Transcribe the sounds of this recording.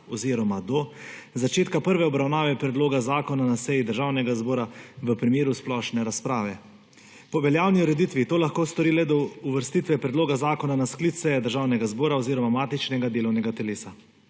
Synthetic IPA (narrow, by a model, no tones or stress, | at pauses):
ɔziːɾɔmad̪ɔ | zat͡ʃeːt̪kapəɾʋɛɔbɾawnaːʋɛpɾɛd̪loːɡazaːkɔnanasɛjid̪əɾʒaːwnɛɡazboːɾaʋəpɾimeːɾusplɔʃnɛɾaspɾaːʋɛ | pɔʋɛljaːwniuɾɛd̪it̪ʋit̪oːlaxkoːst̪ɔɾiːlɛd̪ɔuʋəɾst̪it̪ʋɛpɾɛd̪loːɡazaːkɔnanasklit̪sɛjɛd̪əɾʒaːwnɛɡazboːɾaɔziːɾɔmamaːt̪it͡ʃnɛɡad̪eːlɔwnɛɡat̪ɛleːsa